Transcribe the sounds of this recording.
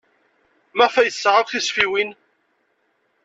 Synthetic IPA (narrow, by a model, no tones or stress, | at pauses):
mæfæjθsːʕəvθisfiwin